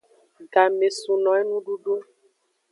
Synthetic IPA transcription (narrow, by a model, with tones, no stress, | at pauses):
ɡa˨me˨sũ˨nɔ̃˨ɛ˦nũ˦ɖu˦ɖu˦